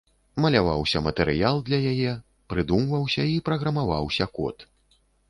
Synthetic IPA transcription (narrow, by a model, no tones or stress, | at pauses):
mɐlʲava̰wsʲɐmɐt̪ɛɾɨjalˠd̪lʲɐjajɛ | pɾɨd̪umvɐwsʲɐipɾɐɣɾɐmavawsʲɐkɔ̰t̪